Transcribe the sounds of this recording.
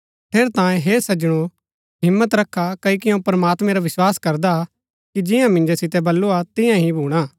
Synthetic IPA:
p̪ʰeːɾt̪ãːjẽɦeːsɐd͡ʒɽ̃o | ɦɪmːət̪ɾɐkʰːakɐikɪjõpɾɐmaːt̪mɛ̃ɾaʋɪswaːskɐɾd̪a | kid͡ʒɪjãmɪ̃nd͡ʒosɪt̪ɛbɐlːuat̪ɪjãɦĩbʱuːɽ̃aː

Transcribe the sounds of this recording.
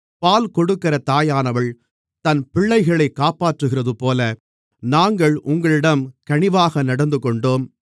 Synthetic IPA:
paːlkɔɽɯkːɪɾɐt̪aːjaːnɐʋɐɭ | t̪ɐnpɪɭːɐɪɣɐɭɐɪkːaːpaːʈrɯɣɪrɐðɯpoːlɐ | naːŋɡɐɭʔʊŋɡɐɭɪɽɐmkɐɳɪʋaːɣɐnɐɽɐnd̪ɯkɔɳɖoːm

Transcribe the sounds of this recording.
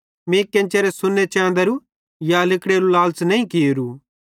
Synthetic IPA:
mẽːkẽnt͡ʃeɾesʊnːet͡ʃɛ̃ːnd̪ɐɾu | jalɪkɽeɾulaːlsnɐĩkiɾu

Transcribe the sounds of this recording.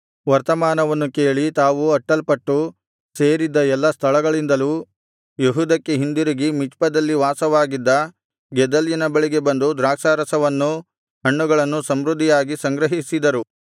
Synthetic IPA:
ʋɐɾt̪ɐmaːnɐʋɐnːukeːɭit̪aːʋuɐʈːɐlpɐʈːu | se̞ːɾid̪ːɐɛlːɐst̪ʰɐɭɐɡɐɭind̪ɐlu | jeɦuːd̪ɐkːeɦind̪uɾiɡimit͡ʃpɐd̪ɐlːiʋaːsɐʋaːɡid̪ːɐ | ɡɛd̪ɐljɐnɐbɐɭiɡe̞bɐnd̪ud̪ɾaːkʂaːɾɐsɐʋɐnːu | ɦɐɳːuɡɐɭɐnːusɐmɾud̪ʱːijaːɡisɐŋɡɾɐɦisid̪ɐɾu

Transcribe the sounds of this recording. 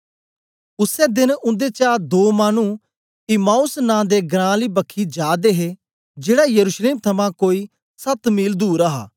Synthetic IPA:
ʊsɛːd̪ɪnʊ̃nd̪eːt͡ʃaːd̪oːmaːnũː | ɪmaːʊsnãːd̪eːɡɾãːliːbəkʰːiːd͡ʒaːd̪eːɦeː | d͡ʒeːɽaːjəɾuːʃleːmt̪ʰɐmãːkoːiː | sɐt̪miːld̪uːɾaɦa̰ː

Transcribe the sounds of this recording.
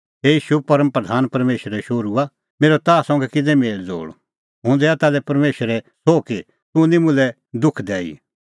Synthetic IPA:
ɦeiːʃupɐɾəmpɾəd̪ʱaːnpɐɾmeːʃəɾɛʃoːɾua | meːɾot̪aːsɔ̃ŋɡɛkɪd̪ɛmeːld͡zo̰ːɽ | ɦʊ̃nd̪ɛat̪aːlɛpɐɾmeːʃəɾɛsoːki | t̪ʊ̃nĩmʊ̃lɛ | d̪ʊkʰd̪ɛːḭ

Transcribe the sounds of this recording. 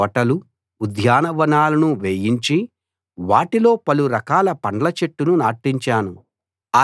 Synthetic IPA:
ɐʈɐlu | ud̪ʱjaːnɐʋɐnaːlɐnuʋeːjiɲt͡ʃi | ʋaːʈilo̞ːpɐluɾɐkaːlɐpɐɳlɐt͡ʃeʈːununaːʈːiɲt͡ʃaːnu | a

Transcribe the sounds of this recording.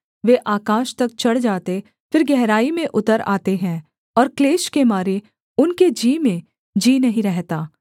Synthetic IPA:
ʋeːʔaːkaːʃt̪ɐk̚t͡ʃɐɽd͡ʒaːt̪e | fɪɾɡɛɦɾaːimẽʔʊt̪əɾa̰ːt̪eɦɛ̃ | ɔːɾkleːʃkemaːɾe | ʊnked͡ʒiːmẽ | d͡ʒiːnɐɦĩɾɛɦt̪aː

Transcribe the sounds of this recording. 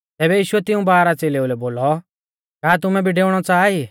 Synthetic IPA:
t̪ɛːbɛjiːʃʊɛt̪ɪũbaːɾat͡seːleulɛboːlɔ | kaːt̪̬ʊmɛ̃bʱiɖeːʊɽ̃ɔt͡saːi

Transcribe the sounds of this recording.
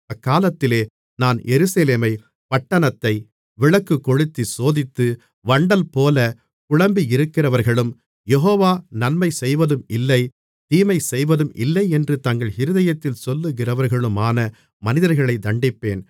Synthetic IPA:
ɐkːaːlɐt̪ːɪleː | naːnjɛɾɯsɐleːmɐɪ | pɐʈːɐnɐt̪ːɐɪ | ʋɪɭɐkːɯkːɔɻɯt̪ːisoːðɪt̪ːɯ | ʋɐɳɖɐlpoːlɐ | kʊɭɐmbiɪɾɯkːɪrɐʋɐɾɣɐɭɯm | jɛɦoːʋaːnɐnmɐɪsɛjʋɐðɯmɪlːɐɪ | t̪iːmɐɪsɛjʋɐðɯmʔɪ̰lːɐɪɛndrɯt̪ɐŋɡɐɭhɪɾɯðɐjɐt̪ːɪlsɔlːɯɣɪrɐʋɐɾɣɐɭɯmaːnɐ | mɐnɪðɐɾɣɐɭɐɪd̪ɐɳɖɪpːḛːn

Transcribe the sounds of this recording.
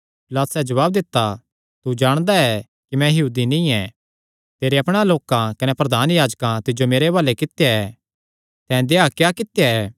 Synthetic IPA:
pɪlat̪sɛːd͡ʒɐʋaːb̚d̪ɪt̪ːa | t̪ud͡ʒaːɽ̃d̪aɛ | kimɛ̃jɐɦuːd̪inĩɛ̃ | t̪eːɾeɐpɽ̃aloːkãkɐnepɾɐd̪aːnjaːd͡ʒkãt̪ɪd͡ʒomeːɾebaːlekɪt̪jaɛ | t̪ɛ̃ːd̪eakjaːkɪt̪jaɛː

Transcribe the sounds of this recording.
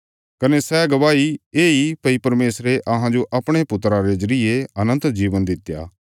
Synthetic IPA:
kɐnesɛɡɐʋaːieːipɐipɐɾmeːsɾeʔɐɦãd͡ʒoʔɐpɽ̃epʊt̪ːɾaɾed͡ʒɐɾɪeɐnə̃nt̪d͡ʒiːʋənd̪ɪt̪ːja̰ː

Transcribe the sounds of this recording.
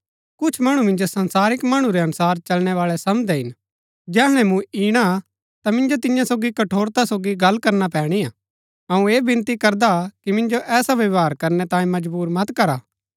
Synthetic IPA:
kʊt͡ʃʰmɐɽ̃umɪ̃nd͡ʒosɐ̃nsaːɾɪkmɐɽ̃ũɾeɐnʊsaːɾt͡ʃɐlɽ̃ɛʋaːɭɛsɐmd̪ɛɦɪn | d͡ʒɛːɦɽ̃ɛ̃mũiːɽ̃a | t̪amɪ̃nd͡ʒot̪ɪjãsoːɡikɐʈʰoːɾt̪asoːɡiɡɐlːkɐɾnap̬ɛːɽ̃ijaː | ɐũeːbɪ̃nt̪ikɐɾd̪akimɪ̃nd͡ʒoʔɛːsaʋɐʋɦaːɾkɐɾnɛt̪ãːĩmɐd͡ʒbuːɾmɐt̪kɐɾaː

